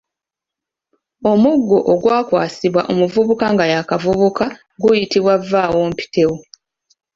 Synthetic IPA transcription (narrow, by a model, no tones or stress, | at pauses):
o̞muɡːoʔoɡwaːkwaːsiβwa̰ʔo̞muvuβukaŋɡajakavuβuka | ɡujitiβwavːaːwo̞ːmpi̥te̞wu